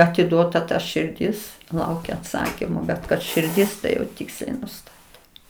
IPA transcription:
ɐtʲɪˈduɔtɐ tɐ ʃʲɪrʲˈdʲɪs ˈlˠɐʊkʲɛ ɐtˈsɑːkʲɪmoː bʲɛt kɐt ʃʲɪrʲˈdʲɪs tɐɪ jɛʊ ˈtʲɪksʲlʲɛɪ nʊˈstɑːtʲeː

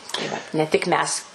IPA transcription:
tɐɪ ˈʋɐt nʲɛ tʲɪk ˈmʲɛs

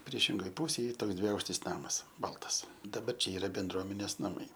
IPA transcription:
ˈpʲrʲiɛʃʲɪŋɡoːj ˈpuːsʲeːj ˈiː ˈtoːks dʲʋʲɪˈɐʊkʃʲtʲɪs ˈnɑːmɐs ˈbɐlˠtɐs dɐˈbɐr ˈt͡ʃʲɛ ˈiːrɐ bʲɛnˈdruɔmʲɛnʲeːs nɐˈmɐɪ

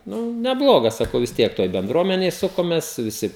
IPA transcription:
ˈnʊ nʲɛˈblˠoːɡɐs sɐˈkɐʊ ʋʲɪs ˈtʲiɛk ˈtoːj bʲɛnˈdruɔmʲɛnʲeːj ˈsʊkoːmʲeːs ʋʲɪˈsʲɪ

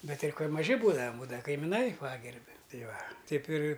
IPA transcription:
ˈbʲɛt ˈtɐɪ ˈkoːlʲ mɐˈʒʲɪ ˈbuːdɐʋɐm ˈbuːdɐʋɐ kɐɪmʲɪˈnɐɪ ˈpɑːɡʲɛrʲbʲɪ ˈtɐɪ ˈʋɐ ˈtʲɛɪp ɪrʲ

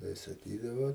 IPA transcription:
tɐɪ sɐˈkʲiːdɐʋoː

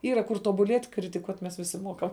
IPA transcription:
ˈiːrɐ kʊr tuɔbʊˈlʲiɛtʲ krʲɪtʲɪˈkuɔtʲ mʲɛs ʋʲɪˈsʲɪ ˈmuɔkɐm

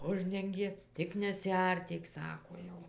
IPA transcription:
ˈʊʒʲdʲɛŋʲɡʲeː ˈtʲɪk nʲɛsʲɪˈɐrʲtʲiːk ˈsɑːkoː ˈjɛʊ

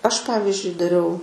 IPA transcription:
ˈɐʃ ˈpɑːʋʲɪzʲd͡ʒʲʊɪ dɐˈrʲɛʊ

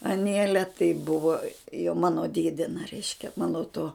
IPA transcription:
ɐˈnʲeːlʲɛ tɐɪ ˈbʊʋoː jɛʊ ˈmɑːnoː ˈdʲeːdʲɪnɐ ˈrʲɛɪʃʲkʲɛ ˈmɑːnoː toː

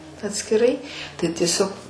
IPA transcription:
ɐtʲsʲkʲɪˈrɐɪ tɐɪ tʲiɛˈsʲoːk

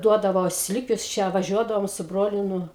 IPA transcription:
ˈduɔdɐʋoː ˈsʲlʲɪkʲuɔs ˈt͡ʃʲɛ ʋɐˈʒʲuɔdɐʋoːm sʊ ˈbroːlʲʊ ˈnʊ

